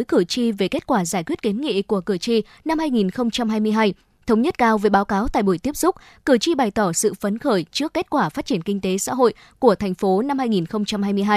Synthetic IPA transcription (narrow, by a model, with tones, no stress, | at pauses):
jkɨ˧˩t͡ɕi˧ve˨˩ke˦˥t̚kwaː˧˩zaː˧˩jkwət̚ke˨˦nŋḭ˧˨ku˧˩əkɨ˧˩ət͡ɕi˧ | na˧mhaː˧jŋi˨˩nxə˧wŋ͡mt͡ɕa˧mɦaː˧jmɨ˧əjɦaː˧j | t̪ʰə˨˦wŋ͡mɲə˦˥t̚kaː˧wve˨˦ɓaː˨˦wkaː˨˦wt̪a̰ː˧˨jɓu˧˩jt̪i˦˥əp̚sʊ˦˥k͡p̚ | kɨ˧˩ət͡ɕi˧ɓa˨˩jt̪ɔ˧˩sɨ̰˧˨fə˨˦nxəː˧˩jt͡ɕɨ˦˥əkːe˦˥t̚kwaː˧˩faː˦˥t̚t͡ɕi˧˩ənkï˧ŋ̟t̪e˨˦sa̰ː˧˥ɦo̰˧˨j | ku˧˩ət̪ʰɛ˨˩jŋ̟fo˨˦na˧mhaː˧jŋi˨˩nxə˧wŋ͡mt͡ɕa˧mhaː˧jmɨ˧əjɦaː˧j